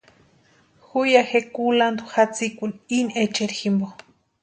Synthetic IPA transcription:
xujaxekuland̪uxat͡sikʷuninet͡ʃeɾximbo

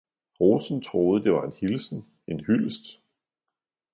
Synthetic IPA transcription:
ʁosn̩t͡sʰʁo̝ːð̞̩ˠəd̥e̝ʋɑ̈e̝nhilsn̩ | e̝nhyl̰sd̥

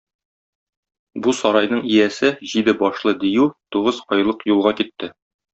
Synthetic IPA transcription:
busɒɾɑjnɤɴijæsɘʑid̪ɘbɒʃlˠɤd̪ijʉt̪uʁɤzqɒjlˠɤqjulˠʁɑkit̪ːɘ

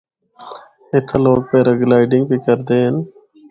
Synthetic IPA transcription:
et̪ʰɐloːɡ̚peːɾɐɡlaːɪɖɪŋɡbikəɾd̪eːn

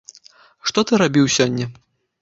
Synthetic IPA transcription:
ʂt̪ɔt̪ɨɾabʲiwsʲɔnʲːɛ

